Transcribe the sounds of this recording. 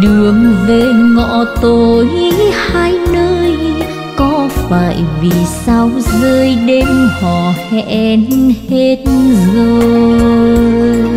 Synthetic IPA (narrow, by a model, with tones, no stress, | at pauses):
ɗɨ˨˩əŋve˨˩ŋɔ̰˧˨t̪o˨˩jhaː˧jnəː˧j | kɔ˨˦faː˧˩jvi˨˩sa˧wzəː˧jɗe˧mhɔ˧˩hɛ˧ʔɛ˧nhe˧t̚nzəː˧